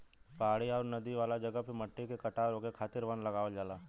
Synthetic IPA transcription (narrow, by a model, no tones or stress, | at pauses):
paːɽiɔːɾnɐd̪iʋaːlad͡ʒɐɡəpemɐʈːikekɐʈaɾoːɡekʰaːt̪ɪɾʋɐ̃nd̪lɐɡaːʋod͡ʒaːlaː